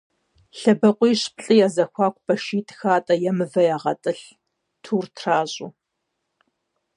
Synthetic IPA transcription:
ɬɐbɐqʷʼijːɕpɬʼɨjaːzɐxʷɑːkʷʼb̥ɐʃiːtʰʼxaːtʼɐjɛmɨvɐjaːʁɐ̰tʼɨɬ | tʰuːrtʰraːʑʼʊ̰ː

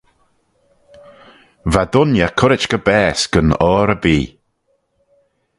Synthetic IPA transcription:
vad̪ʊnjakʰʊɾɪt͡ʃɡ̥əbɛːsɡ̥ənɔːɾəbiː

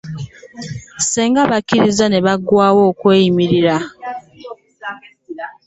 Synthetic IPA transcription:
sɛŋɡabakiɾizanɛβaɡwawɔkweimiɾiɾa

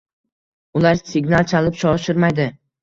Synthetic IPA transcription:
ʊlaɾsɪɡnalˠt͡ʃʰalɪpʃɒʃɪɾmajd̪ɪ

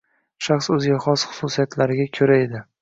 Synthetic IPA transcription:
ʃaχsɵzɡʲaχɒsχʊ̥susijat̪ʰlaɾɪɡʲakʲʰɵɾae̞d̪ɪ

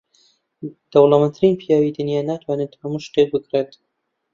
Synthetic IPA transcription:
d̪̥ɐwlˠɐmənt̪ʰɨɾinpʰijaːwid̪ɨnjaːnaːt̪ʰwaːnet̪hɐmuʃt̪ek̚bɨkret̪

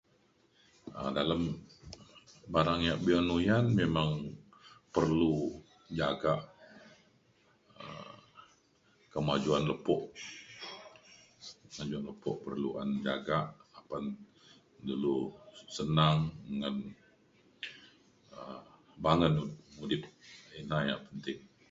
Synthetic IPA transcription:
ə̰daləm | baɾaŋjaʔbianujanmemaŋ | pərlu | d͡ʒaɡaʔ | ə̰ | kəmad͡ʒuanləpɔʔ | mad͡ʒuanləpɔʔpərlua̰nd͡ʒa̰ɡaʔapan | dəlusənaŋŋan | ə | baŋənmudɪp̚inajaʔpənt̪ɪŋ

